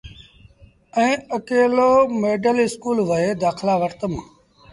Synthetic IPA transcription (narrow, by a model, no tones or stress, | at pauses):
ɛ̃ːəkeːloːmeːɖəlɪskuːlʋəɦeːd̪aːkʰlaːʋəɾt̪əmãː